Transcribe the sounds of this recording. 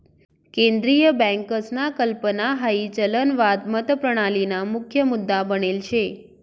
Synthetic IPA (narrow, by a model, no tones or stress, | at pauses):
kẽnd̪ɾijəbɛ̃ŋkəsnakəlpənaɦait͡ʃələnʋad̪mət̪əpɾəɽ̃alinamʊkʰjəmʊd̪ːabənelt͡ʃʰe